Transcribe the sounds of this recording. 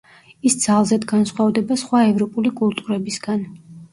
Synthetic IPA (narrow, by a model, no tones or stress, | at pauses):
isd̪z̥alˠzɛd̪ɡansχwavd̪ɛbasχwaɛvɾɔpʼulikʼulˠt̪ʼuɾɛbisɡan